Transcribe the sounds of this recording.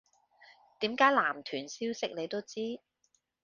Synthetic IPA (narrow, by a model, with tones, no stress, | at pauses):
t̪iː˨˥mkaː˨˥jlaː˨˩mt̪ʰyː˨˩nsiː˥wsɪ˥k̚le˨˧jt̪o˥wt͡siː˥